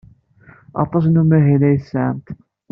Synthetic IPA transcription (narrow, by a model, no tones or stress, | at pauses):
ʔɑ̰t̪ˤɑs̬numæɦælæjsaʕə̰mt̪